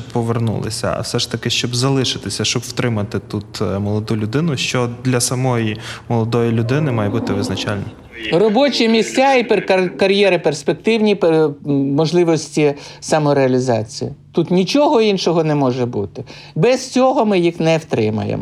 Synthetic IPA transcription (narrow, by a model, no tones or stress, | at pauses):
pːɔʋernṵlˠɪ̰sʲɐ̰ɐ̰wsɛʂt̪ɐkɪʃt͡ʃɔbzɐlˠɪʃɪt̪ɪsʲɐʃt͡ʃɔbw̥t̪ɾɪmɐt̪ɪt̪ut̪mɔlˠɔd̪ulʲʊd̪ɪnʊʃt͡ʃɔd̪lʲɐsɐmɔjimɔlˠɔd̪ɔjilʲʊd̪ɪnɪmɑjɛbut̪ɪʋɪznɐt͡ʃalʲnɔ̰ | rɔbɔt͡ʃʲimʲisʲtʲaipekɐkɐɾʲjɛɾɪperspek̚t̪ɪwnʲipemɔʒlˠɪʋɔsʲtʲisɐmɔɾeɐlʲizɑ̰t͡sʲijit̪ut̪nʲit͡ʃɔɦɔinʃɔɦɔnɛmɔʒɛbut̪ɪ | bɛst͡sʲɔɦɔmɪjixnɛwt̪ɾɪmɐ̰jḛmɔ